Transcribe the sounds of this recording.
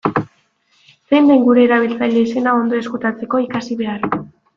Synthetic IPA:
se̞jnd̪ejŋɡuɾe̞ːɾaβ̞ilt͡saʎeise̞nao̞nd̪o̞e̞skut̪at͡se̞ko̞ikasiβe̞ar

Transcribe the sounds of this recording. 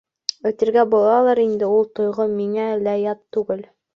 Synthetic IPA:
ɵ̆t̪ɘ̆ɾɡæbulˠɑlˠɑɾind̪ɘulˠt̪ŏjʁɤmiŋælæjɑt̪ːʉɡɘl

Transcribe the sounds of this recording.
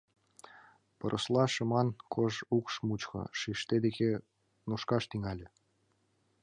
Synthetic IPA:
pɤ̆ɾʔɤ̆slˠɑʃɤ̆mɑnkʰoʒukʃmut͡ɕxɤ̰ʃiʃt̪ed̪eke | nuʃkɑʃt̪iŋɑlʲĕ

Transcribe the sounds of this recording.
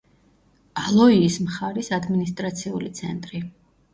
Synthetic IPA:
alˠɔiːsmχaɾisad̪minist̪ʼɾat̪sʰiṵlit̪sʰɛ̰nt̪ʼɾi

